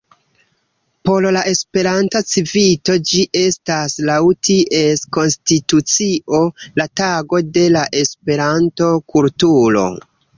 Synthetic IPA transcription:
po̞llaʔe̞spe̞ɾantat͡sivito̞d͡ʒiʔe̞staslawtiʔe̞sko̞nstitut͡siʔo̞lataɡo̞de̞laʔe̞spe̞ɾanto̞kultuɾo̞̰

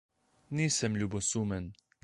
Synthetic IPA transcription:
niːsɛmluːbosuːmɛn

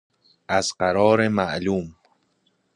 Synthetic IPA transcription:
azqaɾɒːɾemaʔluːm

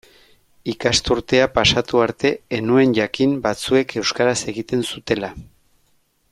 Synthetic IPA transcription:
ikast̪uɾt̪e̞apasat̪uaɾt̪e̞ːnue̞nʝakimbat͡sue̞kʰe̞wskaɾase̞ɣit̪e̞nsut̪e̞la

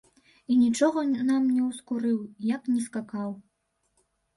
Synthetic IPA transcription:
inʲit͡ʂɔɣɐnamnʲɛwskuɾɨwjɐknʲɛskakaw

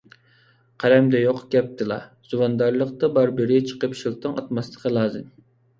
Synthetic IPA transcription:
qʰæɾɛmd̪ɛjoqɡʲɛp̚t̪ʰɨlˠɑ̰z̥uwɑnd̪ɑɾlˠəqt̪ɑbɑɾbɪɾɪt͡ʃʰə̥qəpʃilˠt̪ɨŋɑ̰t̪mɑslˠə̥qʰəlˠɑːzɨm

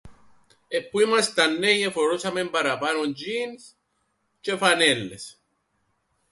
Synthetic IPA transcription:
epːuimast̪anːejefoɾosamempaɾapanond͡ʒins | t͡ʃefanelːes

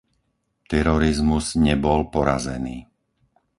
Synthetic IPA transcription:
t̪ɛɾɔɾizmuzɲɛbɔlpɔɾa̰zɛniː

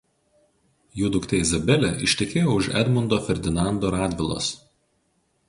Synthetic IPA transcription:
juːd̪ʊkt̪ʲɛɪzɐbʲɛlʲɛʔɪʃʲt̪ʲɛkʲeːjoʊʃɛ̰d̪mʊnd̪oːfʲɛɾʲd̪ʲɪnɑˑnd̪oːɾɑːd̪ʲʋʲɪlˠo̰s

